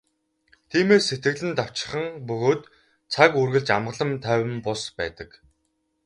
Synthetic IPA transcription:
t̪ʰiːmeːsːet̪̚ɡɘ̆ɣɮɘ̆nt̪aw̥t͡ɕɪ̥̆χə̆ŋpɵɣoːt̪ | t͡sʰakurɣɘ̆ɮt͡ɕamɢə̆ɮə̆mt̪ʰæːwʲɘ̆mpʊspæ̰ːt̪ə̆k

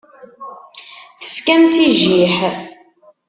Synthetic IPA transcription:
θə̥fkæmt̪iʒiħ

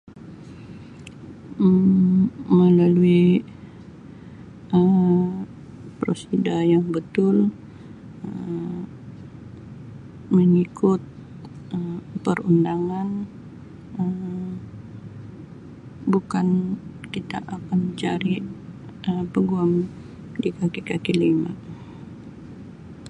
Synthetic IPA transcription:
əmməlalui | ə | pɾo̰sidajaŋbət̪ʊl | ə | məŋikʊt̪̚ | əmpərṵndaŋan | əm | bukankit̪aʔakanət͡ʃaɾi | əpəɡuam | dikakikakilima̰

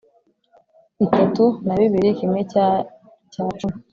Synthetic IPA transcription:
itatunaβiβiɾikimŋe | caːt͡ʃumi

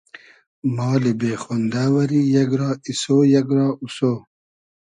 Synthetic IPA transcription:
mɑːlibeːxond̪aːwɐɾijɐɡɾɑːisoːjɐɡɾɑːusoː

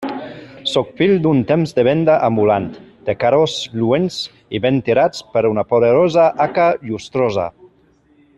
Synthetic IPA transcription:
sɔkfild̪unt̪emzd̪eβ̞ɛnd̪aʔambulant̪d̪̥ekaɾozluens | iβent̪iɾat͡spəɾunapoðeɾɔzaʔakaʎust̪ɾɔza̰

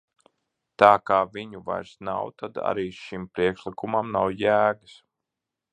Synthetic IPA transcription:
t̪aːkaːviɲuva̰jɾsna̰wt̪ad̪a̰ɾiːʃimpɾiɛkʃlikumamnawjæːɡɨs

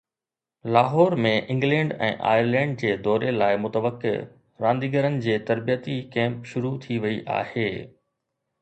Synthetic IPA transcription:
laːɦɔːɾmẽʔɪ̃ŋɡlɛ̃ːɳɖɛ̰̃ːʔa̰ːjəɾlɛ̃ːɳɖ̚d͡ʑeːd̪ɔːɾelaːɪmʊt̪əʋəkːḛ | ɾãːnd̪iːɡəɾənɪ̆d͡ʑeːt̪ɐɾbijət̪ikɛ̃ːmpʃʊɾut̪ʰiʋɐiʔa̰ːheː

